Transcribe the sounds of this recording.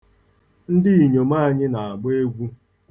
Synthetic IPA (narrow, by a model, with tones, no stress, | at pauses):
n̩˦dɪ˦i˨ɲo˨ma˦a˨ɲɪ˦na˨a˨ɡ͡be˦ɡʷu˦